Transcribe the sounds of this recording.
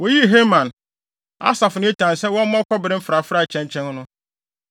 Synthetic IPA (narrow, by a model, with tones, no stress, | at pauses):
wɔ˨˦ji˦˨ɦe˦mã˨n | a̰˦sa˨fʊ˨nɪ̃˦e˦tʰã˨nsɛ˦wɔ̃˦m˦mɔ˦kʰʷɔ˦bɪ˨ɾɪ̃˦m̩˦fɾa˨fɾa˨t͡ɕʰɛ̃˦n˨t͡ɕʰɛ̃˦n˦nʊ̃˦